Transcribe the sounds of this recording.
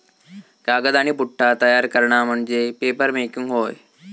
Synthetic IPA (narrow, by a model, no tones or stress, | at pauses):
kaɡəd̪aɽ̃ipuʈʰːat̪əjaɾkəɾɳam̤əɳd͡zepepəɾmekuŋɡɦoːj